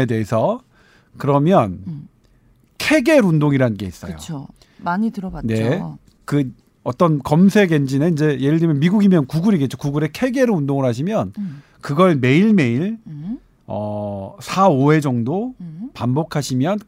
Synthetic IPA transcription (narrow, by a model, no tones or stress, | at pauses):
ede̞ɦesʰʌ | kɯɾʌmjʌn | kʰe̞ɡe̞ɾundoŋiɾanɯnɡe̞̰is͈ʌjo̰o | maɲitɯɾʌɡane̞ | kɯ | ʌt͈ʌnkʌmsʰe̞ɡe̞nd͡ʑineind͡ʑe̞jeɾɯɭdɯɾimjʌnmiɡuɡimjʌnkuɡuɾiɡe̞t̚t͡ɕ͈okuɡuɾe̞kʰe̞ɡe̞ɾɯundoŋɯɭɦaɕ̬ʰimjʌn | kɯɡʌɭme̞iɭme̞iɭ | ʌ̰sʰaoe̞d͡ʑʌŋdopambokʰaɕʰimjʌn